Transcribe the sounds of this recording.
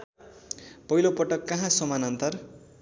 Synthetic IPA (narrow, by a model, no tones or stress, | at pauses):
pʌilopʌʈʌkːʌɦãsʌmanʌnt̪ʌr